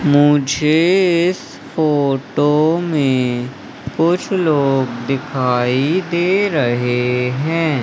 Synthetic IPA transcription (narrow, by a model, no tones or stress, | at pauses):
mʊd͡ʒʱeɪs | foːʈomẽ | kʊt͡ʃʰloːɡd̪ɪkʰaːid̪eːɾɐɦeɦɛ̃ː